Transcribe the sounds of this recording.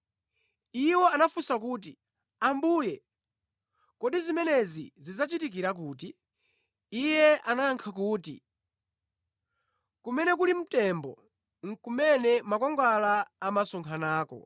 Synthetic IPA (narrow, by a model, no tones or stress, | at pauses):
iwɔanafusakuːt̬i | ambuːjɛ | kɔɗizimɛnɛzizizat͡ʃitik̬iɾak̬uːt̬iː | jɛanaŋkʰakuːtḭ | kumɛnɛkulim̩tɛmbɔ̰ | ŋ̩kumɛnɛmakɔŋɡalaːmasɔŋkʰanaːkɔ̰